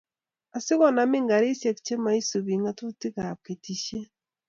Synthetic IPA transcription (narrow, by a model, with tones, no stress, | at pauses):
a˨si˦ɣɔ˨na˨mi˦ŋɡa˨ɾi˦sje˨ki̥t͡ʃe˦ma˦i˦su˨βi˨ŋɡa˦tu˦ti˦kake˨tiʃe˦